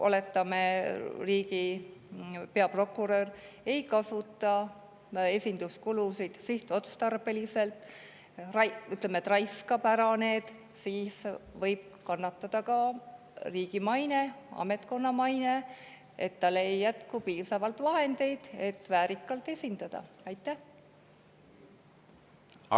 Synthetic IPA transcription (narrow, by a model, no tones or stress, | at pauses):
ʔo̰le̞t̪ˑːɑmeriːɡi | pe̞ɑpro̞kːˑuɾør | e̞jkɑsut̪ːˑɑ | e̞sʲind̪̥uskulusid̪̥siht̪o̞t̪st̪ɑrb̥e̞lise̞lt̪ | rɑjyt̪ˑlemet̪rɑjskɑpæɾɑne̞ːd̪̥ | siːsvɤjb̥̚kɑnːɑt̪ːˑɑd̪̥ɑkɑ | riːɡ̥imɑjne̞ɑ̰me̞t̪ko̞nːɑmɑjne̞ | e̞t̪ːɑlːejːæt̪kupiːsɑvɑlt̪vɑɦe̞nd̪̥e̞jd̪̥e̞t̪ːvæːɾikˑːɑlt̪e̞sʲind̪̥ɑd̪̥ɑ̰ | ɑjt̪ːˑæh